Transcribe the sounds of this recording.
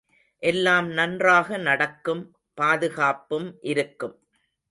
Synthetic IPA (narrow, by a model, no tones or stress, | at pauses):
ʔɛlːaːmnɐndraːɣɐnɐɽɐkːɯm | paːðɯɣaːpɯmʔɪɾɯkːɯm